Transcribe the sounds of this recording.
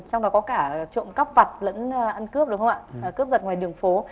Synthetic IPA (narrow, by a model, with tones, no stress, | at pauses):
t͡ɕɔ˧ŋ͡mɗɔ˨˦kɔ˨˦kaː˧˩t͡ɕo̰˧˨nka˦˥p̚va˨˩t̚lə̰˧˥n˧ʔə˧nkɨ˦˥əp̚ɗɨ˨˦xʰə˧ŋ͡mʔa̰ː˧˨əː˨˩kɨ˦˥əp̚zə˨˩t̚ŋwaː˨˩jɗɨ˨˩əŋfo˨˦